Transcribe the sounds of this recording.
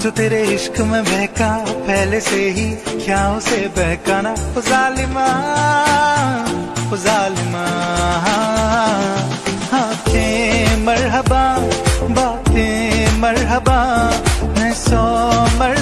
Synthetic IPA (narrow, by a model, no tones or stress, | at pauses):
t͡ʃ̪ot̪eːɾeɪʃkmẽbɛɦkapɛɦleseɦikʰjaːõsebɛɦkaːnapʊzaːlɪma | pʊzaːlɪmaɦa | haːk̪ʰẽmɐɾɦəbabaːt̪ẽmɐɾɦəba | nɛsomɐɾ